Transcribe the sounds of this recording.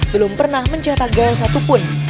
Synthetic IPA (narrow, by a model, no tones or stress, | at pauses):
bəlʊmpərnahməɲd͡ʒat̪aɡɔs̬at̪upʊn